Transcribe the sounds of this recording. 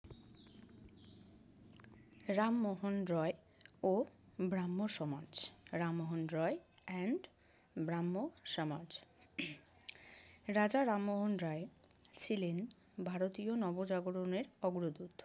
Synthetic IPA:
ɾamːoɦonɾɔe | obɾamːoʃɔmad͡ʑɾamːoɦonɾɔeɛɳɖ | bɾamːoʃɔmad͡ʑ | ɾad͡ʑaɾamːoɦonɾɔet͡ɕʰilen | bʱaɾot̪ionɔbod͡ʑaɡoɾoneɾɔɡɾod̪ut̪

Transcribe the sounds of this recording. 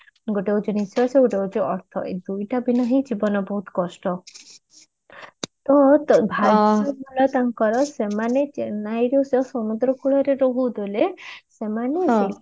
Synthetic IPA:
ɡoʈewd͡ʒɔnisɔseɡoʈewd͡ʒuɔɾt̪ʰɔ̰ʔḛd̪ujʈabinɔɦid͡ʒibɔnɔbɔɦut̪kɔsʈɔ | t̪ɔt̪bʱaɔbʱɔlat̪aŋkɔɾɔsemanet͡ʃenajɾossɔmud̪ɾɔkuɭɔɾeɾoɦud̪olesemane

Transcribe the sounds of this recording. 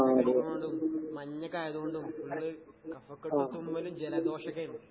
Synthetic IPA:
ɐɐmoɳɖumːɐɲːɐkːaːjɐðuɣoɳɖumuɭːɨkɐfɐkːɐːut̪ːumʋɐlumd͡ʑelɐd̪o̞ːʂɐkːɐjɐnː

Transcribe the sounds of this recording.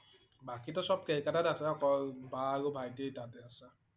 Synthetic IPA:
bakitɔsɔb̚kejkatanasɛɔkɔlbaɹubʱajtetatɛasa

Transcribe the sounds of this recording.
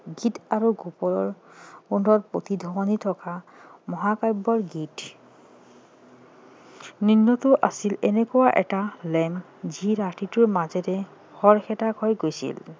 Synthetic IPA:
ɡitaɹuɡupɔlɔɹundɔtpotidʱɔwɔnitʰɔkamɔɦakajbɔɹɡit | ninːɔtʊʔasilɛnɛkɔwaʔɛtalɛm | ziɹatitʊɹmazɛtɛ | hɔɹxɛtakhɔjɡojsḭl

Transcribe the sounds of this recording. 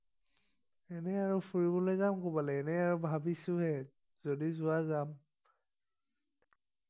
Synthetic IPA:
ɛnɛaɹufʰuɹibɔlojzamkobalɛːnɛaɹubʱabisʊhɛ | zodizʊwazam

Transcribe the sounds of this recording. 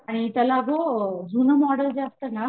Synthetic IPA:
aɽ̃it̪əlaɡod͡zʱunəmɔɖəld͡ʑaast̪əna

